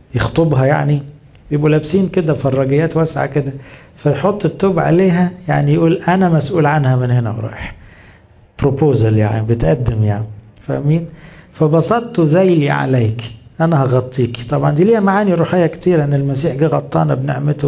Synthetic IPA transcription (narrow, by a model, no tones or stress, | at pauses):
jext̪ˤobɦɑjaʕni | bjebʔulæbsiːnked̪æfɑrˤːɑɡejːæːt̪wæsʕa̰ked̪æ | fæjħot̪ˤːet̪ːoːbʕa̰leːɦæjaʕnijʔuːlʔænæmæsʔuːlʕanhæmenhenæ̰wɾˤɑ̰ːjeħ | b̥ɾopoːzælja̰ʕnḭbet̪ʔæd̪ːemjaʕni | fæ̰miːnfæbɑsˤɑtt̪ˤːzæjliʕa̰læːkʔænæhɑɣɑt̪ˤːiːki̥t̪ˤɑbʕɑnd̪iːliːhæmaʕaːniɾˤuːħejːækt̪iːɾʔenːelmæsiːħɡiːɣɑt̪ˤːɑ̰ʔnæbnḛʕmet̪o